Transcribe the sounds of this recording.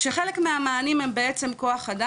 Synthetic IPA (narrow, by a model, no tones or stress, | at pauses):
ʃeχelekmeamaːnimembeet͡se̞mko̞aχada